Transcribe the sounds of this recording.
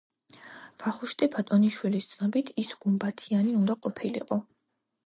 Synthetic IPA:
b̥aχuʃt̪ʼibʰat̪ʼɔniʃwilist̪sʰnɔbit̪ʰisɡ̥umbat̪ʰianiund̪aqʼɔpʰilḭqʼɔ

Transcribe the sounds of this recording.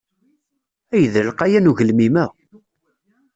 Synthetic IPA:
æjəðəlqæjænuʝəlmimæ

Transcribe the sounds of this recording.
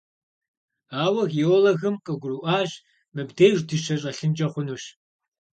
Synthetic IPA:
aːwɐɣiolɐɣɨmqʼɨɡʷʊɾuʔaːʒ | mɨbdejʒʷdɨʃɐɕʼɐɬɨnt͡ʃʼɐχʷʊnuːɕ

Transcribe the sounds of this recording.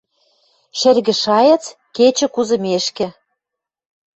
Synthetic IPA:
ʃɘ̆rɣɘ̆ʃɑjɑ̆t͡s | ket͡ɕɘ̆kuzɤ̆meʃkɘ̆

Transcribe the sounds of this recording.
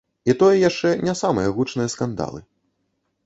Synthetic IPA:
it̪ɔjɐjaʂt͡ʂɛnʲasamɐjɐɣut͡ʂnɨjɐskand̪a̰lˠɨ̰

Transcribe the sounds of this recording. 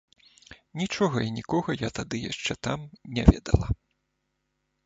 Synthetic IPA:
nʲit͡ʂɔɣɐinʲikɔɣɐjat̪ad̪ɨjaʂt͡ʂɛt̪amnʲɛvʲɛ̰d̪ɐ̰lˠɐ

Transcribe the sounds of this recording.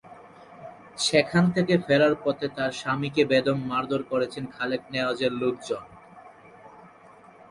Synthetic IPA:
ʃekʰant̪ʰekefeɾaɾpɔt̪ʰet̪aɾʃamikebed̪omːaɾd̪ʱoɾkoɾet͡ɕʰenkʰalek̚nead͡ʑeɾlok̚d͡ʑon

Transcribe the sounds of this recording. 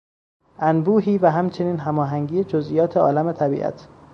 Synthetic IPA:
ʔænbuːɦiːvæɦæmt͡ʃʰe̞niːnɦæmɒːɦæŋɡiːed͡ʒozʔijɒːt̪ʰeɒːlæmet̪ʰæbḭːʔæ̰t̪ʰ

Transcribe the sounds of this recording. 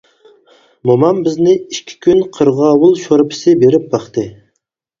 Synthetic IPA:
momɑmbɪznɪiʃkʲʰi̥kʲʰynqʰəɾʁɑːwʊlˠʃoɾpʰɪ̥sɪbeɾɪp̚bɑχt̪ɨ

